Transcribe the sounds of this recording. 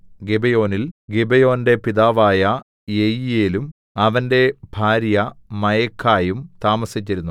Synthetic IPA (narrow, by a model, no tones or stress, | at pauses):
ɡebejo̞ːnilɡebejo̞ːnde̞piðaːʋaːjɐ | jejijeːlum | ɐʋɐnde̞bʱaːɾjɐmɐjɐkʰːaːjumt̪aːmɐsit͡ɕːiɾunːu